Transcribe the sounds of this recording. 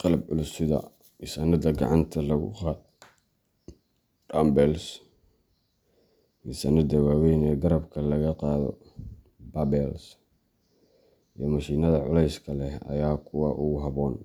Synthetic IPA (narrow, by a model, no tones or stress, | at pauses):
qɑlɐbʕʊlʊsɪðɐ̰ | isɐnɐd̪ɐɡɑ̰ʕɑ̰nt̪ʰɐlɐɣʊ̰qɑːd̪ | ɖɐːmbɛls | ʔisɐnɐd̪ɐwaːwɛjnɛːɡɐɾɐbkʰɐlɐɣɐqɑːðɔ̰ | bɐbɛls | ijɞmɐʃiːnɐðɐʕʊ̰lɛjskʰɐlɛhɐ̰jaːkʰʊwɑːʔuɦɐβɔːn